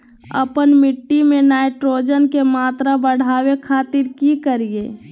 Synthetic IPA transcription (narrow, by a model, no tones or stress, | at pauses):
ə̰pənmɪʈːimẽnaːjʈɾoːd͡ʒənkemaːt̪ɾabəɽ̤aːwekʰaːt̪ɪɾkikəɾije